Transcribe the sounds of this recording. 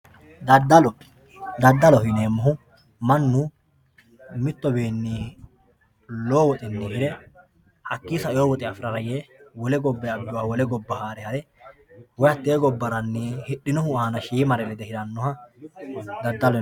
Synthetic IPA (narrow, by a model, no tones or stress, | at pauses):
d̪ɐd̪ɐlɔ | d̪ɐd̪ːɐlɔhɪneːmːɔɦʊ | mɐnːʊ | mɪt̪ːɔbeːnːiː | loːwɔt̪ʼɪnːeːhɪɾɛ | hɐkːiːsɐɪjoːwɔt̪ʼɪɐfɪɾɐɾɐjewɔlɛɡɔbːɛɐbːɪwaːwɔlɛɡɔbːɐhaːɾɛhɐɾɛ | wɔjɐt̪ːeːɡɔbːɐɾɐnːiːhɪɗːɪnɔhʊaːnɐʃiːmɐɾɛlɛd̪ɛhɪɾɐnːɔhɐ | d̪ɐd̪ːɐl